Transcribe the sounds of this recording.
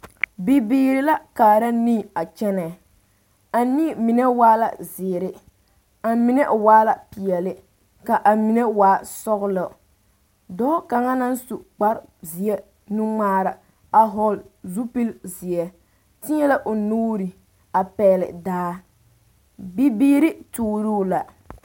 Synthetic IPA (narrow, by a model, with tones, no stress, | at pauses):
bi˨biː˦ɾɪ˦la˦kaː˨ɾa˦ni˦˨a˨t͡ʃɛ˦nɛ˨ | a˨ni˦˨mi˨nɛ˦waː˦la̰˨zɪ˨ɾɪ˦ | a˨mi˦nɛ˦ʔwaː˦la˨pi˨ɛ˨lɪ˦ | ka˨ʔa˨mi˨nɛ˦waː˨˦˨sɔ˦ɣlɔ˨ | dɔː˦ka˨ŋa˦na˦n˦su˨k͡pa˦ɾzi˨ɛ˦ | nu˦ŋ͡maː˦ɾa˨ | a˨ɦɔ˦lzu˦pi˦lzɪ˨ɛ˦ | tɪ˦ɲɛ˦la˦ʔʊ˨nuː˦ɾi˨ | a˨pɛː˨˦˨lɪ̰˨daː˦ | bi˦biː˦ɾɪ˦tuː˦ɾu˦la˨